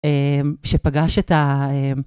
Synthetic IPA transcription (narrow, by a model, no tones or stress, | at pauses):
emʃepaɡaʃet̪aem